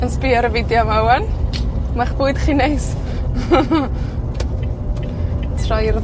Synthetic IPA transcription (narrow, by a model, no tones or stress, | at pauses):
ənspiːaɾəvɪdjɔmawanmaχb̥uːɨd̥χiːnejs | tʰrɔjr